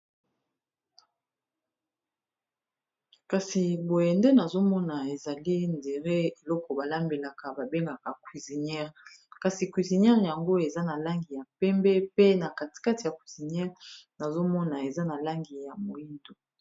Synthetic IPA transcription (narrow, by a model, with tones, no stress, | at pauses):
ka˨si˨bo˨je˨nde˦na˨zo˦mɔ˦na˨e˨za˨li˦nde˨ʁe˦e˨lɔ˦kɔ˨ba˨la˦mbe˨la˨ka˨ba˨be˦ŋɡa˨ka˨kwi˨zi˨nɛ˦ʁ | ka˨si˨kwi˨zi˨nɛ˦ʁja˨ŋɡo˦e˨za˦na˨la˦ŋɡi˨ja˨pɛ˦mbɛ˦pe˦na˨ka˨ti̥˨ka˦ti˨ja˨kwi˨zi˨nɛ˦ʁna˨zo˦mɔ˦na˨e˨za˦na˨la˦ŋɡi˨ja˨mo˨i˦ndo˨